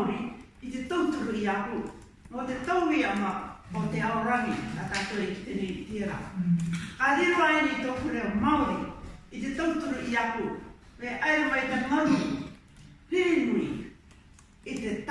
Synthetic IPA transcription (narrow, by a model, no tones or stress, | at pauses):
ɾi | itetowtuɾuiaku | mote̞towɾiamaoteaoɾaŋikatatoeki̥tenejitieɾa̰ | kaɾeɾoaeɾiitopuɾemawɾiitetowtuɾuʔiaku | ɾeʔaeamaitemani | henuɾi | itet